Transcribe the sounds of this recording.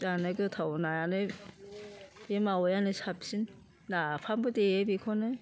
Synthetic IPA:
anɯɡɯtʰawnajanɯ | bemawɔjanɯsap̚sin | nːapʰambɯdeebikʰɔnɯ

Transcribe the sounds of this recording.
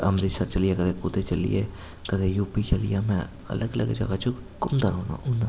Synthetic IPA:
ə̰mɾisəɾt͡ʃəliekəd̪ekʊt̪et͡ʃəlḭje | kəd̪ejuːpit͡ʃəlḭjamɛ̃ | ɐ̰ləɡələ̰ɡd͡ʒə̰ɡat͡ʃʊkʊmd̪aɾõna̰ʔʊna

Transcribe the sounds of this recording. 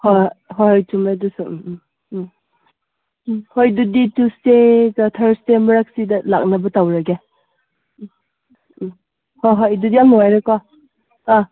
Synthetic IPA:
hoɦoɦɔjtumadusu | hojduditusteɡatʰɐɾstemɐɾak̚sidɐla̰k̚nabɐtawɾaɡe | hoɦɔjdudijaŋnɔajɾekɔ | ã

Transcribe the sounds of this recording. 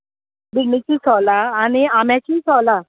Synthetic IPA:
biɡnit͡ɕiːsɔlaːɽ̃iamjãt͡ɕiːsɔla

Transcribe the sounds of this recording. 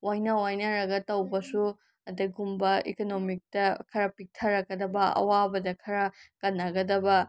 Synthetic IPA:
wajnɐwajnɐɾɐɡɐtɐwbɐsu | ɐdɐɡumbɐekonomik̚tɐkʰɐɾɐpik̚tʰɐɾɐk̚ːɐdɐbɐɐ̰wabɐdɐkʰɐɾɐkɐnːɐɡɐdɐbɐ

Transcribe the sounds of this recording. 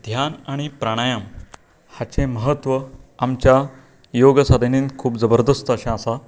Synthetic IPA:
d̪ʱjanaɽ̃ipɾaɽ̃əjam | hat͡ɕẽməɦət̪ʋəamt͡ɕja | joɡəsad̪ʱeninkʰuːpd͡zəbəɾd̪əst̪əɕãsa

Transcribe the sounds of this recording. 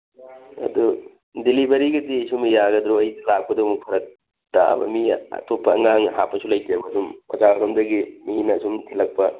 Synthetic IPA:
ɐ̰du | dilibɐɾiɡɐdiɐjsumjaɡɐd̪ɾoɐjdɐlak̚pɐdɐmuk̚pʰɐɾɐk̚ | ta̰bɐ̰miɐ̰topːɐɐŋaŋhapːɐsulɐjtiebɐːdumpɐzaɾɐmdɐɡiminɐsumtʰilɐk̚pɐ

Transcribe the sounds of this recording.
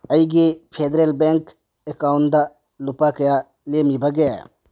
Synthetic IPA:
əjɡepʰed̪ɾelbeŋk | ekaːʊnd̪a | lʊpakɐja | lemibʱɐɡəja̰

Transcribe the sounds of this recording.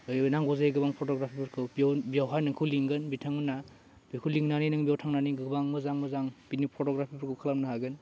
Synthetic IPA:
ɯjnaŋɡɔzajɡɯbaŋpʰɔtɔɡɾapʰibɯɾkʰɯbijawbijawɦajnɯŋkʰɯwliŋɡɯnbitʰaŋɯna | bikʰuliŋnaninɯŋbijawtʰaŋnaniɡɯbaŋmɯzaŋmɯzaŋb̥inipʰɔtɔɡɾapʰibɔɾkʰɯkʰalamnɯɦaɡɯn

